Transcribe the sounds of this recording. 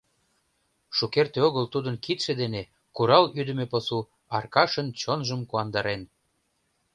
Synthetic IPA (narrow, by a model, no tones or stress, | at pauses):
ʃukert̪eoɣəlt̪ud̪ənkit̪ʃed̪ene | kuɾɑlyd̪ə̆mepɤsu | ɑrkɑʃənt͡ɕonʒəmkuɑnd̪ɑɾen